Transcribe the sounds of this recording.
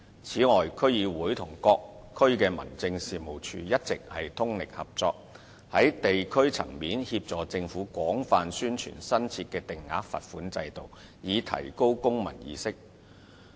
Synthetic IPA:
t͡sʰiː˨˥ŋɔː˨˩jkʰɵ˥ɥjiː˨˧wuː˨˥jt̪ʰʊ˨˩ŋkɔː˧k̚ʰː | ɵ˥ɥkɛː˧mɐ̰˨˩nt͡sɪ˧ŋsiː˨mo˨˩wt͡ʃʰy̰ː˨˧jɐ˥t̚t͡sɪ˨k̚hɐ˨jt̪ʰʊ˥ŋlɪ˨k̚hɐ˨p̚t͡sɔː˧k̚ | hɐ˨˥jt̪e˨jkʰɵ˥ɥt͡sʰɐ̰˨˩ŋmiː˨˥nhi˧p̚t͡sɔː˨t͡sɪ˧ŋfuː˨˥kʷɔː˨˥ŋfaː˨nsyː˥nt͡ʃʰy̰ː˨˩nsɐ˥nt͡sʰiː˧t̚kɛː˧t̪ɪ˨ŋːa̰ː˨˥k̚fɐ̰˨t̚fuː˨˥nt͡sɐ̰˧jt̪o˨w | jiː˨˧t̪ʰɐ̰˨˩jko˥wkʊ˥ŋmɐ̰˨˩njḭː˧˥sɪ˥k̚

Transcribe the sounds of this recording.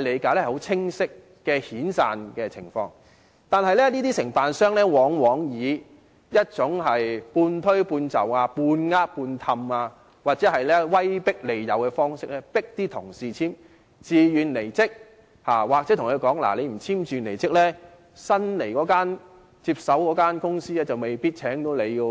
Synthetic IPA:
ɐ˨jle˨˧jkaː˨˥lɛ˥˨˩ho˨˥wt͡sʰɪ˥ŋsɪ˥kː | ɛː˧hiː˨˥nsaː˨nkɛː˧t͡sʰɪ˨˩ŋfɔ̰ː˧ŋ | t̪aː˨nɦɐ˨jlɛː˥niː˥t̪iː˥sɪ˨˩ŋfaː˨nsœː˥ŋlɛː˥wɔː˨˥ŋwɔː˨˥ŋjiː˨˧ | jɐ˥t̚t͡sʊ˨˥ŋɦɐ˨jpuː˧nt̪ʰɵ˥ɥpuː˧nt͡sɐ̰˨waː˧puː˧nŋaː˥t̚puː˧nt̪ʰɐ˧maː˧ | waː˨t̚t͡sɛː˨˥hɐ˨jlɛː˥wɐ˥jpɪ˥k̚le˨˩jjɐ˨˧wkɛː˧fɔː˥ŋsɪ˥k̚lɛ˥pɪ˥k̚t̪iː˥t̪ʰʊ˨˩ŋsiː˨t͡sʰiː˥m | t͡siː˨jyː˨nle˨˩jt͡sɪ˥k̚ | haː˨˩waː˨k̚ɛː˨˥t̪ʰŋkʰɵ˨˧jkɔː˨˥ŋla̰˨˩le˨˧jm̩˨˩t͡sʰiː˥miː˨˩nle˨˩jt͡sɪ˥k̚lɛː˥ | sɐ˥nle˨˩jkɔː˨˥kaː˥n | t͡siː˧p̚sɐ˨˥wkɔː˨˥kaː˥nkʊ˥ŋsiː˥lɛː˥t͡sɐ˨˩wme˨˩jpiː˥t̚t͡sʰɛː˨˥ŋt̪o˨˥wle˨˧jjiː˧

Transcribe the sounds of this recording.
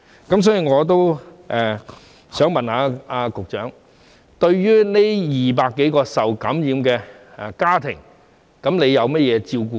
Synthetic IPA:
kɐ˨˥msɔː˨˥jiː˧˩ŋɔː˨˧t̪̬o˥wʔɛː˨ | sœː˨˥ŋmɐ˨˩nhaː˨˧aː˧kʊ˨k̚t͡ʃœ̰ː˨˥ŋ | t̪ɵ˧ɥɥyː˥ne˥jiː˨p̬aː˧kːe˨˥jkɔː˧sɐ˨wkɐ˨˥mjiː˨˧mkɛː˧˨kaː˥t̪ʰɪ̰˨˩ŋ | kɐ˨˥mne˨˧jɐ˨˧wmɛ˥jɛː˨˧t͡siː˧wkuː˧

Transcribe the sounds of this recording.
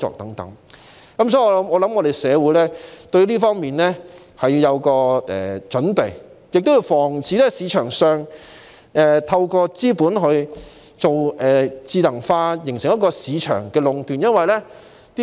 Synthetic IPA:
t͡sɔ̰ː˨k̚t̪ɐ˨˥ŋt̪ɐ̰˨˥ŋ | kɐ˦˥ms̬ɔː˨˥i˧ɔː˨˧lɐ˨˥mɔː˨˧lɐ˨˥mŋɔː˨˧d̪e˨jsɛː˨˧wuː˨˧˥jlɛː˥t̪ɵ˧ɥliː˥fɔː˥ŋmiː˨nlɛː˥ | hɐ˨jiː˧jɐ˨˧wkɔː˧ɛ̰ː˨˩t͡ʃɵ˨˥npe˨j | jɪ˨k̚t̪wji˧wfɔː˨˩ŋt͡siː˨˧lɛː˥siː˨˧t͡ʃʰœː˨˩ŋsœː˨˧ŋ | ʔɛː˨t̪ʰɐ˧wkɔː˧t͡siː˥puː˨˥nɦɵ˧ɥ | t͡so˨wɛː˨t͡siː˧lɐ˨˩ŋfaː˧jɪ˨˩ŋsɪ˨˩ŋj̚kɔː˧siː˨˧t͡ʃʰœ̰ː˨˩ŋkɛː˧lʊ˨˧ŋt̪yː˨njɐ˥nwɐ˨jlɛː˥ | t̪i˥

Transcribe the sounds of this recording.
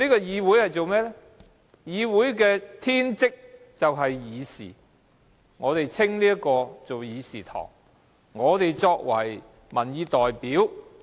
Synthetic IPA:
niː˥kɔː˧jiː˨˧wu˨˥jhɐ˨jt͡so˨wmɛː˥lɛ˥ | jiː˨˧wuː˨˥jkɛː˧t̪ʰiː˥nt͡sɪ˥k̚ | t͡sɐ˨wɦɐ˨jjiː˨˧sḭː˨˩ | ŋɔː˨˧t̪e˨jt͡sʰɪ˥ŋliː˥ɐ˥kːɔː˧t͡so˨wjiː˨˧siː˨˩t̪ʰɔ̰ː˨˩ŋ | ŋɔː˨˧t̪e˨jt͡sɔː˧k̚wɐ˨˩j | mɐ˨˩njiː˨˧t̪ɔː˨jpiː˨˥w

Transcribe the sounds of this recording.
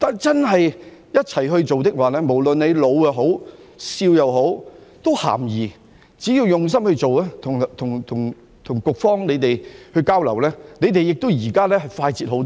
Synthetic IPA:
t̪aː˨nt͡sɐ˥nɦɐ˨j | jɐ˥t̚t͡sʰɐ˨˩jɦɵ˧ɥt͡so˨wt̪ɪ˥k̚waː˨lɛː˥mo˨˩wlɵ˨nne˨˧jlo˨˧wjɐ˨wɦo˨˥w | siː˧wjɐ˨wɦo˨˥wt̪o˥wha̰ː˨˩mjiː˨˩ | t͡siː˨˥jiː˧wjʊ˨˩ŋs̬ɐ˥mhɵ˧ɥt͡so˨waː˥t̪ʰʊ˨˩ŋt̪ʰʊ˨˩ŋt̪ʰʊ˨˩ŋ | t̪ʰʊ˨˩ŋkʊ˨k̚fɔː˥ŋne˨˧jt̪e˨jhɵ˧ɥkaː˥wlɐ˨˩wlɛː˥ne˨˧jt̪e˨jːɪ˨k̚t̪o˥wjiː˨˩kaː˥lɛː˥hɐ˨˩jfaː˧jt͡siː˨t̚ho˨˥wt̪

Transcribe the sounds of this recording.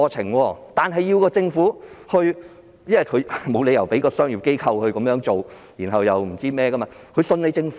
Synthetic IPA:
t͡sʰɪ̰˨˩ŋwɔː˧t̪aː˨nɦɐ˨jːi˧wkɔː˧t͡sɪ˧ŋfuː˨˥hɵ˧ɥ | jɐ˥ɐ˨˩kʰɵ˨˧ɥmo˨˧wne˨˧jɐ˨˩wpe˨˥kɔː˧sœː˥ŋji˨˧p̚ke˥jkʰɐ˧whɵ˧ɥkɐ˨˥mjœː˧˥ŋt͡so˨w | ji˨˩nɦɐ˨wjɐ˨wm̩˨˩t͡siː˥mɛː˥kɐ˥maː˧ | kʰɵ˨˧sɵ˧ne˨˧jt͡sɪ˧ŋf

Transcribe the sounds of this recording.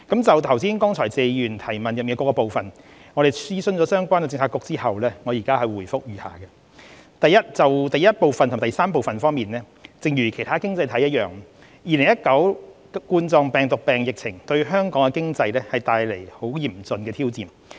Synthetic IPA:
kɐ˨˥mt͡sɐ˨wt̪ʰɐ˨˩wsiː˥nkɔː˥ŋt͡sʰɔː˨˩jt͡se˨˧jyː˨˩nt̪ʰɐ˨˩jmɐ˨njɐ˨miː˨˧kɔː˧kɔː˧po˨˧wfɐ˨n | ŋɔː˨˧ɾe˨jsiː˥sɵ˧nt͡sɔː˨˦sœː˥ŋkʷaː˥nkɛ˧t͡sɪ˧ŋt͡sʰaː˧˥kːʊ˧k̚t͡siː˥hɐ˨wlɛː˥ŋɔː˨˧jiː˨˩kaː˥hɐ˨jwuː˨˩jfʊ˥k̚jyː˨˩ha̰ː˨kɛ˧ | t̪ɐ˨jɐ˥t̚t͡sɐ˨wt̪ɐ˨˩jɐ˥t̚po˨˧wfɐ˨nt̪ʰʊ˨˩t̪jsaː˥mpo˨wfɐ˨nfɔː˥ŋmiː˨nlɛː˥ | t͡sɪ˨˧ŋjyː˨˩kʰe˨˩jt̪ʰaː˥kɪ˥ŋt͡sɐ˧jt̪ʰɐ˨˥jɐ˥t̚jœː˨ŋ | jiː˨˧lɪ˨˩ŋjɐ˥t̚kɐ˨˥w | kuː˧nt͡sɔː˧ŋpɛː˨ŋt̪ʊ˨k̚pɛː˨ŋjɪ˨k̚t͡sʰɪ˨˩ŋt̪ɵ˧ɥɦœː˥ŋkɔː˨˥ŋkɛ˧kɪ˥ŋt͡sɐ˧jlɛː˥hɐ˨jt̪aː˧jle˨˩jho˨˥wjiː˨˩mt͡sɵ˨nkɛː˧iː˥wt͡siː˨m

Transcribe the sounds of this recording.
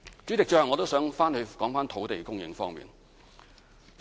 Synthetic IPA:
t͡ʃyː˨˥t͡sɪ˨k̚t͡ʃœ˧˥˨ŋːɔ˨˧t̪o˥wsœː˨˥ŋfaː˥nhɵ˧ɥkɔː˨˥ŋfaː˥nt̪ʰo˨˥wt̪e˨jkʊ˥ŋjɪ̰˧˥ŋfɔː˥ŋmḭː˨n

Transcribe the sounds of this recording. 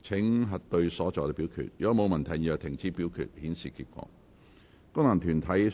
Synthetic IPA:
t͡sʰɪ˨˥ŋɦɐ˨t̚t̪ɵ˧ɥsɔː˨˥t͡sɔː˨˧t̪ɛ˧˥pi˨˥wkʰy̰ː˨˩t̚jyː˨˥˧mo˨˧wmɐ˨˩nt̪ʰɐ˨˩jœː˨˩k̚t̪ʰɪ˨˩ŋt͡siː˧˥pi˨˥wkʰy̰˨t̚hiː˨˥nsiː˨kḭ˧t̚kʷɔ̰ː˧ | kʊ˥ŋna˨˩ŋt̪ʰyː˨˩nt̪ʰɐ˨˥j

